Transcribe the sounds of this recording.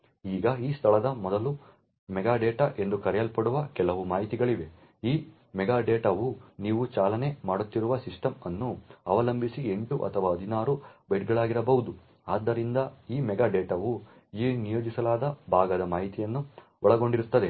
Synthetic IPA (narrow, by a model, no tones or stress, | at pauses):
iːɡɐiːst̪ʰɐɭɐd̪ɐmɔd̪ɐlu | mɛɡaːɖeːʈaʔe̞nd̪ukɐɾɛjɐlpɐɽuʋɐkɛlɐʋumaːɦit̪iɡɐɭiʋe̞ | iː | mɛɡaːɖeːʈɐʋuniːʋut͡ʃaːlɐne̞maːɽut̪ːiɾuʋɐsiʂʈɐmɐnːuɐʋɐlɐmbʱisieɳʈuʔɐ̰t̪ʰɐʋaːd̪ʱinaːɾubɐʈ̚ɡɐɭaːɡiɾɐbɐɦud̪u | aːd̪ːɐɾind̪ɐiːmɛɡaːɖeːʈɐʋu | eːnijo̞ːd͡ʒisɐlaːd̪ɐbʱaːɡɐd̪ɐmaːɦit̪ijɐnːu | ɔɭɐɡo̞ɳɖiɾut̪ːɐd̪e̞